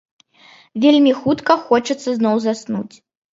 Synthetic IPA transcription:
vʲelʲmʲixut̪kɐxɔt͡ʂɐt̪sːɐznɔwzasnṵt͡sʲ

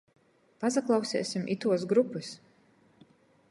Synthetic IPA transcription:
pazaklˠɑwsɛ̰ːsimʔḭt̪uɔs̬ɡɾupːɨs

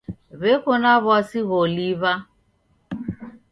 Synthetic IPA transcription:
βekonaβɔsiɣoliβa

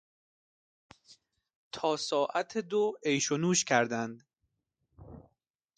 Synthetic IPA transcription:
t̪ʰɒːsɒːʔæt̪ʰed̪oejʃonuːʃcʲʰæɾd̪ænd̪

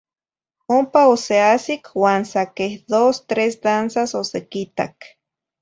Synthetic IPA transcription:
ompaoseasikwaːnsakehd̪ost̪ɾesd̪ansasosekit̪a̰k

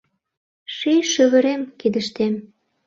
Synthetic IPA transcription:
ʃiʃyβɘ̆ɾemkid̪ə̆ʃt̪em

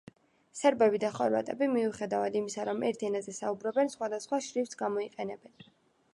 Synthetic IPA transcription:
sɛɾbɛbid̪aχɔɾva̰t̪ʼɛbimiuχɛd̪avad̪imisaɾɔmʔɛɾt̪ʰiɛnazɛsaubɾɔbɛnsχwad̪asχwaʃɾivt̪sɡamɔiqʼɛnɛbɛn

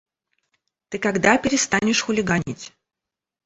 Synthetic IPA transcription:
t̪ɨkɐɡd̪apʲɪɾʲɪst̪anʲɪʂxʊlʲɪɡanʲitʲ

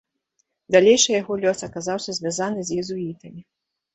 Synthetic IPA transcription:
d̪alʲɛjʂɨjaɣɔlʲɔsɐkazawsʲɐzʲvʲazanɨzʲjɛzuit̪ɐmʲi

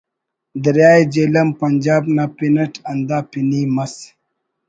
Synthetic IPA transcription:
d̪əɾjaːjd͡ʒelɐmpɐnd͡ʒaːbnapinɐʈʰɐnd̪aːpinimɐs

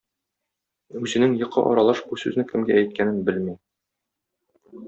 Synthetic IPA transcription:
ʉzɘ̆nɘŋjɤ̆qʰːɑ̰ʔɒ̰ɾɑlˠɑʃbusʉ̰znɘkɘ̆mɡæːjt̪̚kænɘnbɘlmi

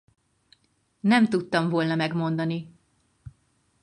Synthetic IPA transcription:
nɛmt̪ut̪ːɒɱvo̞lnɒmɛɡmo̞nd̪ɒni

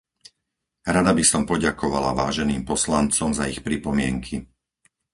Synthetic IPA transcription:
ɾad̪abisɔmpɔɟakʰɔʋa̰la̰ʋaːʒɛniːmpɔslant͡sɔmzaixpɾipɔmɪɛŋkʰi

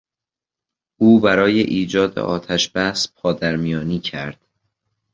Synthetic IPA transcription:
ʔuːbæɾɒːjḛʔiːd͡ʒɒːd̪ḛʔɒːt̪ʰæʃb̥æspʰɒːd̪æɾmijɒːniːcʰæɾd̪̥

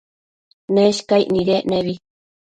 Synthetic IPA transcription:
neʃkajʔniɾeʔneβi

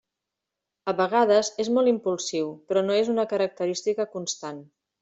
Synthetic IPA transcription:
əβəɣ̞að̞əzezmɔlˠimpulˠsiwpɾɔnoezunəkəɾək̚t̪əɾist̪ikəkunst̪an

